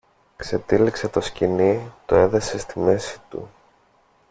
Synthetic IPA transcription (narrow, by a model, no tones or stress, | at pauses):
kse̞t̪ilikse̞t̪o̞scinit̪oe̞ðese̞st̪ime̞si̥t̪ṵ